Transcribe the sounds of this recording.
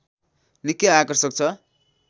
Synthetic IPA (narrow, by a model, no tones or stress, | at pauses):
nikːiakʌrsʌk̚t͡sʰʌ